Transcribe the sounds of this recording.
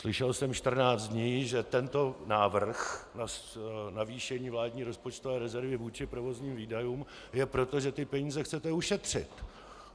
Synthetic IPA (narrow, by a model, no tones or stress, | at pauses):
slɪʃɛlsɛmʃt̪r̩naːt͡st̪d̪ɲiːʒɛt̪ɛnt̪o̞naːvr̩xnanaviːʃɛɲiːvlaːdɲiːɾo̞spo̞t͡ʃt̪ovɛːɾɛzɛɾvɪvuːt͡ʃɪpɾo̞vo̞zɲiːmviːdajuːm | jɛpɾo̞t̪o̞ʒɛt̪ɪpɛɲiːzɛxt͡sɛt̪ɛuʃɛt̪r̝̥ɪt̪